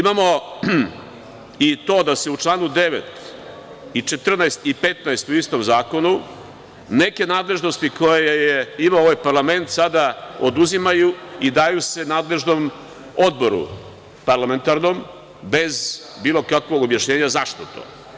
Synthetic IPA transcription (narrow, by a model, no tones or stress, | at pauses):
imamo̞ | it̪o̞ːd̪ase̞ut͡ʃlˠaːnud̪e̞ʋet̪ | it͡ʃe̞t̪r̩naest̪ipet̪naest̪uist̪o̞mzaːko̞nu | ne̞ke̞naːd̪le̞ʒno̞st̪iko̞jejejeimaooʋajpaɾlˠame̞nt̪sad̪aod̪uzimajuid̪ajuse̞naːd̪le̞ʒno̞m | od̪bo̞ɾṵ | paɾlˠame̞nt̪aɾno̞m | be̞z | biːlo̞kakʋo̞ɡobjaʃɲe̞ːɲazaʃt̪ot̪o̰